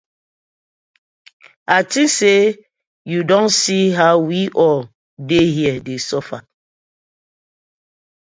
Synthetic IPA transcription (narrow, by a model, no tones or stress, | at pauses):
atise | judɔ̃nsiɦawiʔɔl | dehiədesɔfa̰